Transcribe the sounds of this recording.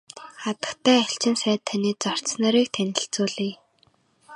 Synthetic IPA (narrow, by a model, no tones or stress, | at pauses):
χat̪ə̥̆kt̪ʰæːæɬt͡ɕɪ̆msæːt̪ʰːœniːt͡sɔr̥t͡ssnœɾiːk̚t̪ʰænʲɪ̆ɬt͡suːɮiː